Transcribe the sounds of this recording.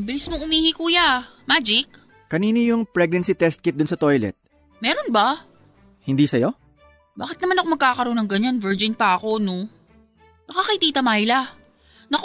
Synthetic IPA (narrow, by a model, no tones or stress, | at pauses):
bɪlɪsmoŋʊmiːhɪkuːjamad͡ʒɪk̚ | kɐniːnojʊŋpɹɛɡ̚nɐnsit̪ɛst̪̚kɪt̪̚d̪ʊnsɐt̪ojlɛ̰t̪̚ | mɛːɾo̞nbɐ | hɪnd̪isɐjo̞ | baːkɪt̪nɐmanɐkomɐɡkaːkɐɾo̞ːnɐŋɡɐɲanvɛɹd͡ʒɪnpɐʔɐko̞no̞ | nɐkakɐjt̪iːt̪ɐmajla | nɐk